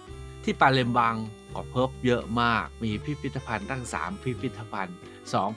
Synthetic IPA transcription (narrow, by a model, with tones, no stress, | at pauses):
t̪ʰiː˥˩paː˧le˧mba˧ŋ | kɔː˧˩pʰɤ˦˥p̚jɤ˦˥ʔmaː˥˩k̚miː˧pʰi˦˥pʰi˦˥t̪ːa˧pʰa˧nt̪a˥˩ŋsa̰ː˩˦mpʰi˦˥pʰi˦˥t̪ːa˧pʰa˧n | sɔː˩˦ŋ